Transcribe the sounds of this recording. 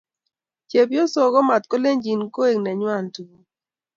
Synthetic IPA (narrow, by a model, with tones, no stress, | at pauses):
t͡ʃe˨pjɔ˦so˨ɡɔ˦ma˨t̪̚ko˦le˦ɲd͡ʒi˨nko˦e˨ŋnɛ˨ɲwa˦˨ntu˨u˨